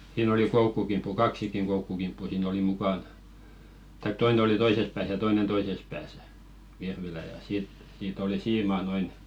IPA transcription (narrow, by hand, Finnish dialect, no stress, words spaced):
siːn oli koukːukimpːu kɑksikiŋ koukːukimpːu siːn oli mukɑn tɑik toine oli toises pæːs jɑ toinen toises pæːsæ̥ ʋirʋilæˑ jɑ siːt siːt oli siːmɑˑ noin